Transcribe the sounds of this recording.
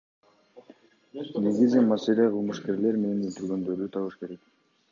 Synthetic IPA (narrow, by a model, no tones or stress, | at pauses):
ne̞ɡizimase̞leqʰɯlˠmuʃke̞ɾle̞ɾme̞nenølt̪yɾɡø̞nd̪øɾyt̪ʰɑβɯʃke̞ɾek